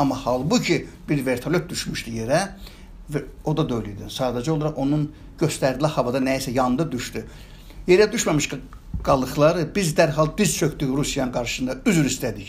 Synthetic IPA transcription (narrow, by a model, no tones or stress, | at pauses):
ɑmːɑhɑlˠbucʰibiɾve̞ɾt̪ʰɑlʲøp̪̚d̪yʃmyʃd̪ije̞ɾæ | vo̞d̪ɑd̪øjlyd̪isɑːd̪æd͡ʒɛolˠɑɾɑʁo̞nun | ɟø̞st̪æɾd̪ilæhɑvɑd̪ɑnæisæjɑnɯnd̪ɑd̪yʃt̪y | je̞ɾæd̪yʃmæmiʃɡ | ɡ̥ɑlˠɯxlˠɑɾɯbizd̪æɾɦɑlˠbiz̥t͡ʃʰø̞kd̪yçɾusjɑnɯnɡɑɾʃɯ̥sɯnd̪ɑyzyɾist̪æd̪iç